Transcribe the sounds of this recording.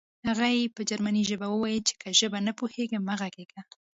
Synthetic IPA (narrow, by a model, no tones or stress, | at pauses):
haɣajepəd͡ʒaɾmaniʒəbawəwajəlt͡ʃe̥kʰəʒəbanapoheɡəmaɣaɡeɡa